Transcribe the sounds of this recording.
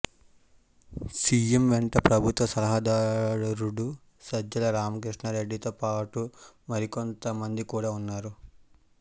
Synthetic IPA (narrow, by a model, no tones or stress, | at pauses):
siemʋeɳʈɐpɾɐbʱut̪ʋɐsɐlɐɦaːd̪aːɾɾuɽu | sɐd͡ʒɐlɐɾaːmɐkɾiʂɳɐɾeɖːit̪oːpaːʈu | mɐɾiko̞nt̪ɐmɐnd̪ikuːɽaːunːaːɾu